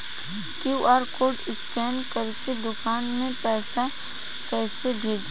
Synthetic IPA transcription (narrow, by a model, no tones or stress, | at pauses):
kjuʔaːɾkoːʈɪskɛːmkɐɾked̪ʊkaːnmẽpɛːsa | kɛːsebʱeːd͡ʒ